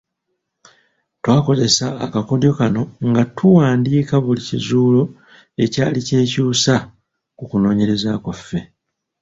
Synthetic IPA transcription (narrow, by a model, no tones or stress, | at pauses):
twaːko̞ze̞saːkako̞djo̞kano̞ŋɡatʰuwaːndiːkaβulicizuːlo̞ | e̞caːlice̞ːcuːsa | kukuno̞ːɲe̞ɾe̞zakafːe̞